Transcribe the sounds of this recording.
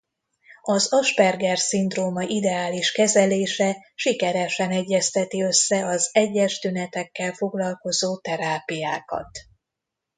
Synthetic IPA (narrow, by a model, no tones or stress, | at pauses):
ɒzɒʃpɛrɡɛrsind̪roːmɒʔid̪ɛaːliʃkɛzɛleːʃɛʃikɛɾɛʃɛnɛɟːɛst̪ɛt̪iø̞sːɛɒzɛɟːɛʃt̪ynɛt̪ɛkːɛlfo̞ɡlɒlko̞zoːt̪ɛɾaːpijaːkɒ̰t̪